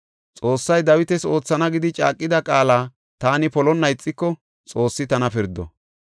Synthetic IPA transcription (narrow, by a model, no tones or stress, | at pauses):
t͡sʼo̞ːsːɐjd̪ɐwɪt̪ɛso̞ːt͡sːɐnɐɡɪd̪ɪt͡ʃʼa̰ːkʼːɪd̪ɐkʼaːlaː | t̪aːnɪpɔlɔnːɐɪt͡sʼːɪkːɔ | t͡sʼo̞ːsːɪt̪ɐnɐpɪɾd̪ɔ̰